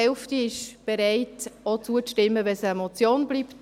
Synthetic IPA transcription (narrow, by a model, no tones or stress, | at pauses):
ɛlftiɪʃb̥eɾɛɪtot͡suət͡sʃtɪmːəʋɛsɛmɔt͡sjoːnbliːpt